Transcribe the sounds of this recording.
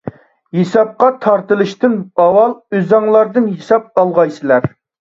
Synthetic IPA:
hesɑp̚qɑt̪ʰɑɾt̪ɨlˠɨʃt̪ɨnɑwɑlˠøzɑŋlˠɑɾd̪ɨnɦesɑp̚ɑlˠʁɑjsɨlæɾ

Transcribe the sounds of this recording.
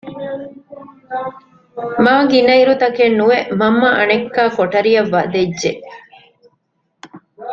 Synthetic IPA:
maːɡinɐiɾut̪ɐkenːuʋeʔmɐmːɐʔɐnekːaːkoʈɐɾijɐʋːɐd̪edʒe

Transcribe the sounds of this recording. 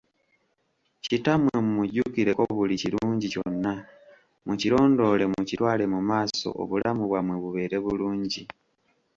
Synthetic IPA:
citamwemumuɟukiɾe̞ko̞βuliciɾuːɲɟico̞nːa | mucilo̞ːndo̞ːle̞mucitwaːle̞mumaːso̞̰ʔo̰βulamuβwamweβuβe̞ːɾe̞βuluːɲɟi

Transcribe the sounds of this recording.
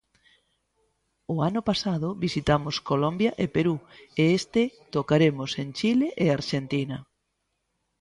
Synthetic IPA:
ʊanʊpasaðʊβisit̪amoskolombjɐʔepeɾueest̪et̪okaɾemʊsent͡ʃileʔeaɾʃent̪inɐ

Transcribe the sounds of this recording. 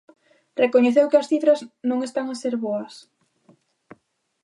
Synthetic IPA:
rekoɲeθewkɪɐsθit̪ɾɐznõŋest̪aŋaseɾβoɐs

